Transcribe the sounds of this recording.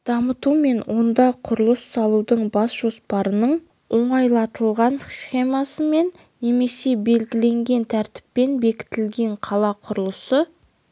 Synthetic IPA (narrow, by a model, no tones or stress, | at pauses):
d̪̥ɑmət̪ume̞nwʔo̞nd̪ɑqʰʊɾəlˠəsːɑlˠud̪əɴbɑsʒ̥o̞spɑɾənəɴ | wo̞ɴɑjlˠɑt̪əlˠʁɑnsχʲe̞mɑsəme̞nːe̞me̞se̞be̞lɡʲɪle̞ŋɡʲe̞nt̪ʰæɾt̪ɪ̥pːe̞nbe̞kʲɪ̥t̪ɪlɡʲe̞ɴqʰɑlˠɑqʰʊɾəlˠəsə